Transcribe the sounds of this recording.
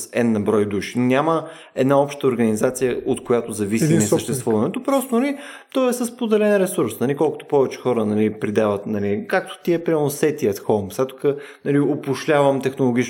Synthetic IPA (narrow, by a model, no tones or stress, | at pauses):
sɛd̪nɐbɾɔjd̪uʃi̥nnʲamə | ɛd̪naɔpʃt̪əoɾɡɐnizat̪sijəʔot̪kojat̪ozɐvisimɛsəʃt̪ɛst̪vuvɐnɛt̪opɾɔst̪onɐli | t̪ɔɛsəspod̪ɛlɛnɾɛsuɾsnɐlikɔlˠkʊ̥t̪o̥pɔvɛt͡ʃɛ̥xɔɾənɐlipɾid̪avət̪nɐlikak̚t̪o̥t̪iɛpɾiamɛlˠnosɛt̪iət̪xomsat̪ʊ̥kə | nɐliopʊʃlʲavəmt̪ɛxnolˠoɡ̟ʲit͡ʃ